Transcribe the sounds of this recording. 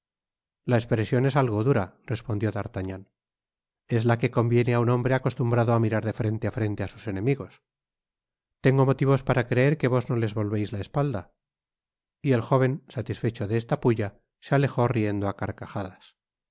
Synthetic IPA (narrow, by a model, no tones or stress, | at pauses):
laespɾe̞sjo̞nesalɣo̞ðuɾadre̞spo̞nd̪jo̞ðaɾt̪aɲan | e̞zlake̞ko̞mbje̞neaunõ̞mbɾe̞ako̞st̪umbɾaðoamiɾaɾðe̞fɾe̞nt̪eafɾe̞nt̪e̞asu̥se̞nẽ̞miɣo̞s | t̪e̞ŋɡo̞mo̞t̪iβ̞o̞spaɾakɾe̞e̞ɾke̞βo̞zno̞le̞zβo̞lβe̞jzlae̞spald̪a | ie̞lxo̞β̞e̞nsat̪isfe̞t͡ʃo̞ðeest̪apuʎa | seale̞xo̞rie̞nd̪oakaɾkaxaðas